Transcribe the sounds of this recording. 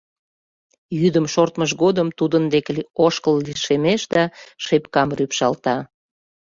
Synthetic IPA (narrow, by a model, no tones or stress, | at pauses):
jyd̪əmʃort̪məʃɣod̪əmt̪ud̪ənd̪ekleoʃkəlːiʃemeʃd̪ɑʃepkɑmrypʃɑlt̪ɑ